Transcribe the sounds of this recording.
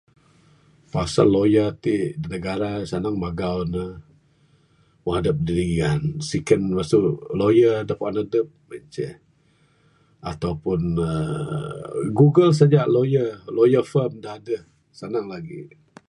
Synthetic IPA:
pasa̰lːojət̪idinəɡaɾasanaŋmaɡawnə | waadəp̚didiŋansikənmastulojədəhpaanadəp̚mant͡ʃə̰h | a̰t̪awpʊnə̰ | ɡuɡəls̬ad͡ʒaʔlojəlojəfəmdahadəh | sanaŋlaɡḭ

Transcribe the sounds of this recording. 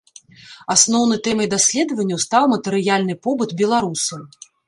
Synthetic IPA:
asnɔwn̪ɐjt̪ɛmɐjd̪asʲlʲɛd̪ɐvɐnʲːɐwst̪awmɐt̪ɛɾɨjalʲnɨpɔbɨt̪bʲɛlˠaɾusɐ

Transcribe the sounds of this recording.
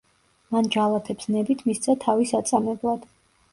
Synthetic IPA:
mand͡ʒalˠat̪ʰɛpsnɛbit̪ʰmist̪sʰat̪ʰavisat̪sʼamɛblˠad̪̥

